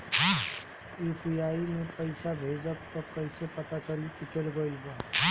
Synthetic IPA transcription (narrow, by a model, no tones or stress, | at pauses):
uːpʰiaːimẽpəɪsabʱeːd͡ʒat̪ɔkəɪsepɐt̪at͡ʃəlik̪it͡ʃəlɡəiɦo